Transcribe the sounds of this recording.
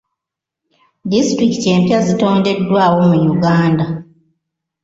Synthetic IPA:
distɾikte̞ːmpjazito̞ːnde̞dːwaːwo̞mujuɡaːnda

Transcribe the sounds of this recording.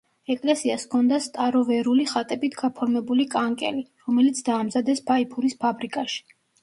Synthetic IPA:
ɛkʼlɛsiaskʰɔnd̪ast̪ʼaɾɔvɛɾuliχat̪ʼɛbit̪ʰɡapʰɔɾmɛbulikʼaŋkʼɛ̰liɾɔmɛlit̪sʰd̪aːmzad̪ɛsbʰaipʰuɾispʰabɾikʼaʃi̥

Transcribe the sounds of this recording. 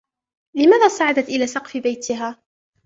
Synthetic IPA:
lɪmaːðaːsˤɑʕad̪at̪ʔɪlaːsɑqfɪbajt̪ɪɦaː

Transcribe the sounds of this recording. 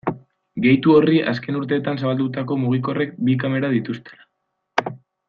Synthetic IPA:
ɡe̞jt̪uo̞riʔaske̞nuɾt̪e̞ːt̪ansaβald̪ut̪ako̞muɣ̞iko̞re̞k̚bik̬ame̞ɾaðit̪ust̪e̞̥lḁ

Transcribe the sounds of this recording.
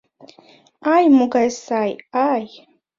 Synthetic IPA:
ajmuɡajsajaj

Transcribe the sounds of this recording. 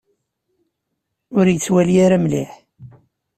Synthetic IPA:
ʊɾjət͡sːwæliaɾamliħ

